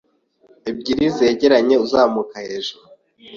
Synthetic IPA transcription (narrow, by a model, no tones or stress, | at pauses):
ib̚ɟiɾize̞ːɟe̞ɾaɲe̞uzaːmukahe̞ːʒuɾu